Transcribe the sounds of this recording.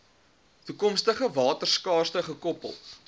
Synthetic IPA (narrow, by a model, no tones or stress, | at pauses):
tukɔmstəχəvɑːtərskɑːrstəχəkɔpə̰lˠ